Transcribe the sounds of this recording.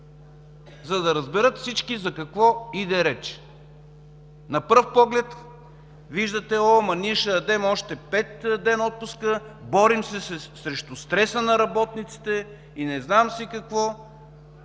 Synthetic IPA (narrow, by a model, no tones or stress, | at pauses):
zɐd̪ɐɾɐzbɛɾɤt̪fsit͡ʃkizɐkɐkvɔid̪ɛɾɛt͡ʃ | nɐpɤɾfpɔɡlɛt̪ | viʒd̪ət̪ɛɔmɐniʃəɐd̪ɛmɔʃt̪ɛpɛt̪d̪ɛnɔt̪̚pʊskəbɔɾimsɛɛsɾɛʃt̪ʊst̪ɾɛsənɐɾɐbɔt̪nit̪si̥t̪ɛ | inɛznamsikɐkvɔ